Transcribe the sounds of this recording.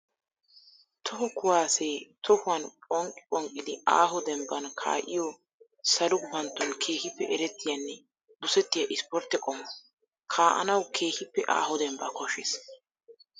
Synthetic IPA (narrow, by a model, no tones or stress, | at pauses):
t̪ʰɔhɔkʊwaːseːt̪ʰɔhʊwɐnkʼɔŋkʼːɪɔŋkʼːɪd̪ɪa̰ːɦʊd̪ɛmbɐnkʰa̰ːʔɪjɔ | sɐlʊbɐnt̪ːɔnkʰeːhɪpːɛʔɛɾɛt̪ːɪjɐnːɛ | bʊsɛt̪ːɪjɐʔɪspɔɾt̪ːɛkʼɔmːɐ | kʰaːʔɐ̰nɐwkʰe̞ːhɪpːɛʔa̰ːɦʊd̪ɛmbɐkɔʃɪs